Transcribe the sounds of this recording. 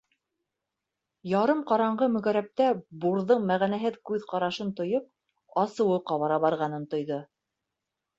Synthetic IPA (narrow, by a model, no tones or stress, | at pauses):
jɑɾɤmqɑɾɑɴɢɤmɵ̆ɣæɾæp̚t̪æbuɾðɤɴmæʁænæɦɘðkʉðqɑɾɑʃɤnt̪ŏjɤp̚ | ɑsɤ̆wɤqɑβɑɾɑβɑɾʁɑnɤnt̪ŏjðo